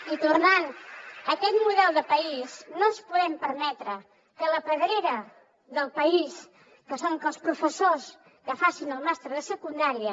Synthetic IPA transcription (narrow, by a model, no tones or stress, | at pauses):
it̪urnanəkɛt̪muðɛlˠd̪əpəiznospuðɛmpəɾmɛt̪ɾə | kələpəðɾeɾə | ðəlˠpəis | kəsoŋkəlˠspɾufəsos | kəfasinəlˠmast̪ɾəðəsəkund̪aɾiə